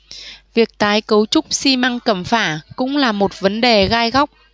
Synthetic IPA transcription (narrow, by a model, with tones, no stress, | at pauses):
vi˨˩ək̚t̪aː˨˦jkə˨˦wt͡ɕʊ˦˥k͡p̚si˧ma˧ŋkə̰˧˩mfaː˧˩kʊ̰˧˥ŋ͡mlaː˨˩mo˨˩t̚və˨˦nɗe˨˩ɣaː˧jɣa˦˥wk͡p̚